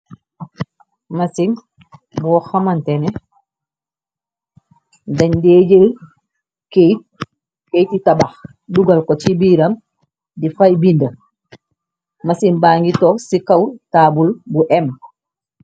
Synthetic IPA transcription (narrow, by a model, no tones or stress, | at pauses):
masin | bɔxamantɛnɛ | daɲdeːd͡ʒel | kejt | kejtitabax | duɡalkɔt͡ʃibiːɾam | difajbindo | masinbaːŋɡitɔsikawtaːbulbuʔɛm